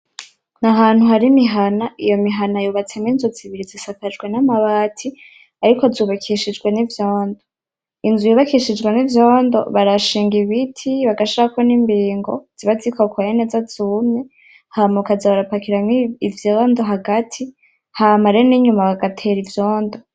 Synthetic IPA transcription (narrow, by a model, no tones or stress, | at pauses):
naɦaːn̥huɦaɾimiɦanaijo̞miɦanajuːβat͡seminzoziβiɾizisakad͡ʒɡwe̞namaβaːtʰi | aɾikozuːβakʰiʃid͡ʒɡwe̞nivjoːndo | inzujuβakiʃid͡ʒɡwenivjoːndo̞̰βaɾaʃiːŋɡiβitʰiβaɡaʃiɾakoniːmbiːŋɡoz̥iβazikokwajene̞ːzaz̥uːmɲe | hamukazaβaɾapakiɾamiivjoːndoɦaɡatʰi | hamaɾeniɲumaβaɡatʰe̞ɾivjoːndo